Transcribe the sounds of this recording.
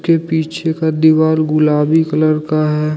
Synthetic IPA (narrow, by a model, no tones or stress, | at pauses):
kepiːt͡ʃʰekad̪iʋaːlɡʊlaːbikələɾkaɦɛː